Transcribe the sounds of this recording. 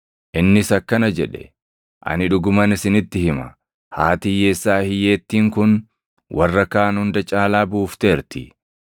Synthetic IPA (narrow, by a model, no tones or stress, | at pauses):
ʔɪnːɪsɐkːɐnɐd͡ʒɛᶑɛ̥̰ | ʔɐ̰nɪᶑʊɡʊmɐnɪsɪnɪt̪ːɪhɪmɐ | haːt̪iːjeːsːaːhɪjeːt̪ːiːŋkʊn | wʔɐrːɐkaːnhʊnd̪ɐt͡ʃʼaːlaːbuːft̪e̞ːɾt̪ɪ